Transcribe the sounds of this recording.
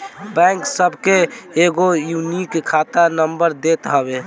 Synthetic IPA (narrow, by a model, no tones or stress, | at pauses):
bɛ̃ːŋksəbʱkeeːɡojuːnikkʰaːt̪anəmbəɾd̪eːt̪ɦəbe